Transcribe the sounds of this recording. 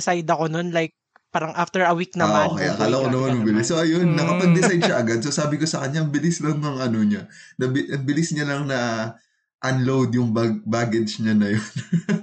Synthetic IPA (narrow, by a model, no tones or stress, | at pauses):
sajd̪ɐkono̞nlajk̚ | paːɾɐŋʔaft̪ɛɹɐwik̚nɐmʔaokɐja̰kalɐkonɐmanmɐbɪlɪsːoʔɐjo̞nːɐkɐpɐɡ̚d̪ɪsajd̪̚ʃɐʔɐɡad̪̚sosaːbɪko̞sɐkɐɲːaʔɐŋbɪlɪslɐŋːɐŋɐno̞ɲɐnɐbɪɐŋbɪlɪsɲɐlɐŋnɐ | ʔɐnlowd̪jʊŋbbaːɡɛd͡ʒɲanɐjon